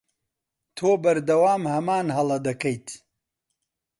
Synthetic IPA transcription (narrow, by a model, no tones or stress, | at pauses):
t̪ʰoːbɐɾd̪ɐwaːmhɐmaːnɦɐlˠɐd̪ɐkɐjt̪ʰ